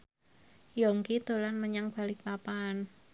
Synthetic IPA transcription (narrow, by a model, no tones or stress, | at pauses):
jɔŋkit̪olanməɲaŋb̥a̤lɪk̚papan